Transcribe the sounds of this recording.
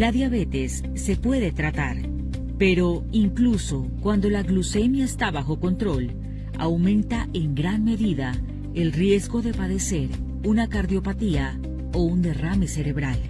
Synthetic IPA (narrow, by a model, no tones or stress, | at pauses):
laðjaβe̞t̪esː | e̞pwe̞ðe̞t̪ɾat̪aɾ | pe̞ɾo̞ | iŋkluso̞kwand̪o̞laɣluse̞mjaest̪aβaxo̞ko̞nt̪ɾo̞l | a̰wmẽ̞nt̪aʔeŋɡɾanme̞ðiða | e̞lrje̞zɣo̞ðe̞paðe̞se̞ɾ | unakaɾðjo̞pat̪ia | o̞und̪e̞rame̞se̞ɾe̞βɾal